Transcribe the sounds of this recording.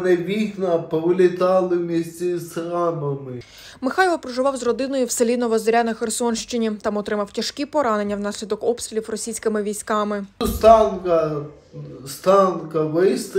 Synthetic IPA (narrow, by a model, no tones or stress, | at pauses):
nɛʋʲiknɐpɔʋɪlʲɪt̪ɑlˠɪwmʲisʲt͡sʲɛsxɾɑmɐmɪ | mɪxɑjʋɐpɾɔʒʊʋɑwzrɔd̪ɪnɔjʊwselʲinɔʋɐzɾʲanɐxersɔnʃt͡ʃɪnʲit̪ɑmɔt̪ɾɪmɐwtʲɐʃkʲipɔɾɑne̞nʲːɐwnɑsʲlʲid̪ɔkɔpst̪ɾʲɪlʲiwrɔsʲijsʲkɪmɪʋʲijsʲkɑmɪst̪ɑnkɐ | st̪ɑnkɐʋɪst̪